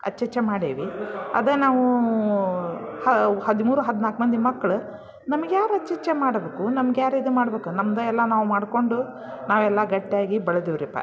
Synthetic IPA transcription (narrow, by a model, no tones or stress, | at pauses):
ɐ̰t͡ʃːɐt͡ʃemaːɽeːʋiɐ̰d̪enaːʋu | hɐhɐd̪imuːɾuɦɐd̪naːkmɐnd̪imɐkːɐɭu | nɐmɐɡejaːɾɐt͡ʃːɛt͡ʃemaːɽbeːkunɐmɐɡjaːɾid̪umaːɽɐbeːkunɐmd̪ɐɛlːɐnaːʋumaːɽko̞ɳɖu | naːʋɛlːɐɡɐʈːijaːɡibɐɭɐd̪iʋɾipːɐ̰